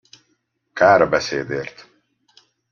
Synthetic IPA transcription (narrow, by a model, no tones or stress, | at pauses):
kaːɾbɛseːd̪eːrt̪